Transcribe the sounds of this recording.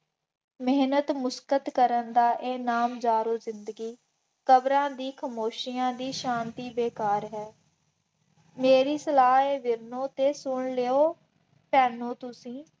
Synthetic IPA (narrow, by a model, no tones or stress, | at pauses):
mɪɦnət̪mʊskət̪kəɾənd̪aːʔeːnaːmd͡ʒaːɾoːzɪnd̪əɡiː | kəbɾãːd̪iːkʰəmoːʃijãːd̪iːʃãːnt̪iːbeːkaːɾɦɛː | meːɾiːsəlaːɦeːʋɪɾnõːt̪eːsʊɳleːoː | pɛːnõːt̪ʊsĩː